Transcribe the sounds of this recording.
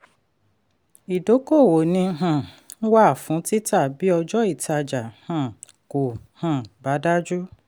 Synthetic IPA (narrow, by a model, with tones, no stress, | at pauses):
i˨do˨˦ko˦˨wo˨nĩ˧˦ɦã˨ | n̩˦wa˦a˦˨fũ˨˦ti˦ta˦˨bi˦ɔ˧d͡ʒɔ˦i˦˨ta˧d͡ʒa˨hã˨ | ko˨hã˨ba˨˦da˦d͡ʒu˦